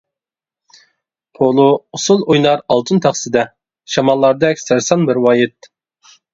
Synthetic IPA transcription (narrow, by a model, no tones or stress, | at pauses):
pʰolˠuusulˠojlˠɑɾɑlˠt̪ʰɨnt̪ʰɑχsɨd̪ɛ | ʃɑmɑlˠːɑɾd̪ɛkʲsæɾsɑnbɪɾwɑːjɪt̪̚